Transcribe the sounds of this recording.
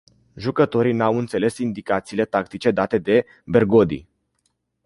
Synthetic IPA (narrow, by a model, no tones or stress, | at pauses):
ʒukət̪o̞ɾinawɨnt̪se̞le̞sind̪ikat̪siːle̞t̪akt̪it͡ʃe̞d̪at̪e̞d̪e̞ | be̞rɡo̞d̪ḭ